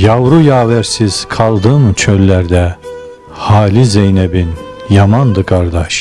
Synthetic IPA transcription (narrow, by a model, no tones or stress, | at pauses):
javɾujaːvæɾsiz̥kʰɑlˠd̪ɯmt͡ʃʰølʲːæɾd̪ɛ | haːlʲizejnɛbin | jamand̪ɯkʰaɾd̪aʃ